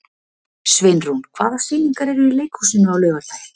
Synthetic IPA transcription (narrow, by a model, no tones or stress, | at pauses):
svɪnrunkʰvaːðasfɪːniŋkaɾɛɾʏileːjkhusɪnʏawlœːɣaɾlaːjɪ